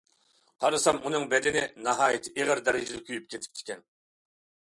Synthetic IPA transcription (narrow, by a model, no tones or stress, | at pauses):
qʰɑɾɨsɑmunɨŋbɛd̪ɪnɪnɑɦɑːjit̪ʰɪʔeʁɪɾd̪ɛɾɪd͡ʒid̪ɛkʲʰyjyp̚kʲʰet̪ʰɪ̥p̚t͡ʃ̪ʰɪ̥kʲɛn